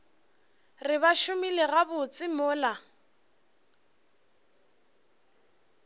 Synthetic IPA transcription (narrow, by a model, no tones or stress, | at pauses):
rɪbaʃʊmileɣabʊt͡sʼɪmʊːla